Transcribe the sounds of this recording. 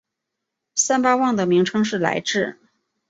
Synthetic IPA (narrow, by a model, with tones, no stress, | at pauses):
sa˥npa˥wɑ˥˩ŋd̪ə˩mi˧˥ŋʈ͡ʂʰɤ˥ŋʂ̬ɻ̩˥˩la̰˧˥ɪʈ͡ʂɻ̩˥˩